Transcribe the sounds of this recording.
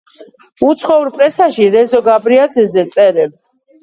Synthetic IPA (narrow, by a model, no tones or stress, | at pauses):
ut̪sʰχɔuɾpʼɾɛsaʃiɾɛzɔɡabɾiad̪zɛzɛt̪sʼɛɾɛb